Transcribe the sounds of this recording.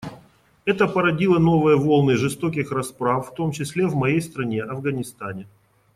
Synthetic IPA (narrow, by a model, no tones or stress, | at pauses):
ɛt̪əpəɾɐdʲilˠəno̞vɨjəvo̞lˠnɨʐɨst̪o̞kʲɪxrɐspɾafːt̪o̞mt͡ɕɪsʲlʲevmɐjejst̪ɾɐnʲeʔɐvɡɐnʲɪst̪anʲɪ